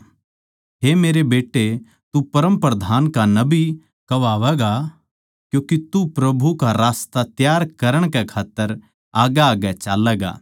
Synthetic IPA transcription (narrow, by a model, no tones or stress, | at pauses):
ɦemeːɾebeːʈːe | t̪upɐɾə̃mpɾəd̪ʱaːnkanɐbi | kɐʋaːʋɛɡa | kjũːkit̪upɾɐbʱukaɾaːst̪at̪jaːɾkɐɾəɽ̃kɛkʰaːt̪ːəɾ | aːɡaaːɡɛt͡ʃaːlɛːɡa̰ː